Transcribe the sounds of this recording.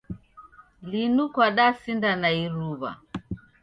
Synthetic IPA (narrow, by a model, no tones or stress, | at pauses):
linukwaɗasindanaiɾuβa̰